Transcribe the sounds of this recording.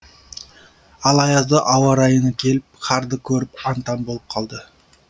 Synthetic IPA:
ɑlˠɑjɑzd̪əʔɑwɑɾɑjənəkʲʰe̞lɪp̚qʰɑɾd̪əkʲʰɵɾɪp̚ɑnt̪ɑnbo̞lˠəp̚qʰɑlˠd̪ə

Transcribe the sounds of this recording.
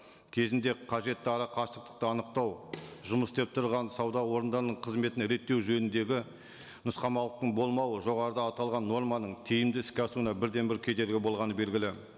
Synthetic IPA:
kʲʰe̞zɪnd̪e̞qʰɑʒe̞t̪ːɪɑɾɑqʰɑʃt̪əq̚t̪ə̥q̚t̪əɑnəq̚t̪ɑwʒʊməsd̪ep̚t̪ʰʊɾʁɑnsɑwd̪ɑwo̞ɾənd̪ɑɾənəɴqʰəzme̞t̪ɪnɾe̞t̪ːe̞wʒɵnɪnd̪e̞ɡʲɪ | nʊsqɑmɑlˠəqt̪əɴbo̞lˠmɑwəʒo̞ʁɑɾəd̪ɑːt̪ɑlˠʁɑnːo̞ɾmɑnəɴt̪ʰijɪmd̪ɪɪskʲɑsunɑbɪɾd̪e̞nbɪɾkʲʰe̞d̪e̞ɾɡʲɪbo̞lˠʁɑnəbe̞lɡʲɪlɪ

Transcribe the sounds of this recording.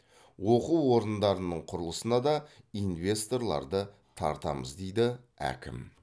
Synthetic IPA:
wo̞quwwo̞ɾəənd̪ɑɾənəɴqʰʊɾəlˠəsənɑd̪ɑ | ijnvʲe̞st̪o̞rlˠɑ̰ɾd̪ə | t̪ʰɑ̰ɾt̪ɑ̰məzd̪e̞jd̪ɪ | æ̰kʲɪ̰m

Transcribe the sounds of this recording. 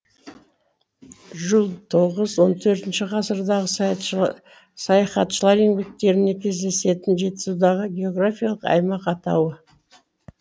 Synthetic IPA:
ʒəlˠt̪ʰo̞ʁəzwo̞nt̪ʰɵɾt̪ɪnʃɪqʰɑsəɾd̪ɑʁə | sɑjɑχɑt̪ʃəlˠɑɾe̞ŋbe̞k̚t̪e̞ɾɪne̞kʲʰe̞zd̪e̞se̞t̪ɪnʒe̞t̪ɪ̥zud̪ɑʁəɡʲe̞o̞ɡrafijalˠəqɑ̰jmɑqɑt̪ɑ̰wə

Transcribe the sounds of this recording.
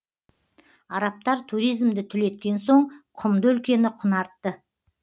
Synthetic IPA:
ɑɾɑp̚t̪ɑɾt̪ʰuɾijzmd̪ɪt̪ʰʏle̞t̪̚kʲe̞nso̞ɴqʰʊmd̪əʏlkʲe̞nɪqʰʊnɑɾt̪ːə

